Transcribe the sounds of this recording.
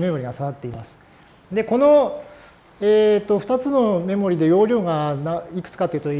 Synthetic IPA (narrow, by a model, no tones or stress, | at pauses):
me̞mo̞ɾʲiɡasaβat̪ːe̞imasɨ̥ | d̪e̞ko̞no̞ | eːt̪ːoɸɯ̟̥t̪at͡sɨno̞me̞mo̞ɾʲid̪e̞jo̞ːɾʲo̞ːɡanaikɯ̟̥t͡sɨ̥kat̪oiɯ̟t̪o